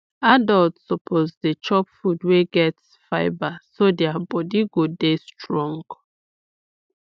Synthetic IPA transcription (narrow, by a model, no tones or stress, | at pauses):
adɔltsɔpʰozdet͡ʃɔpfudweɡɛts | faɪbasodɛabɔdiɡodestɹɔ̃ŋɡ